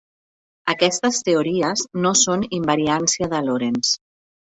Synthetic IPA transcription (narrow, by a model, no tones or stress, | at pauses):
əkɛst̪əst̪euɾiəznosonimbəɾiansiəðəloɾens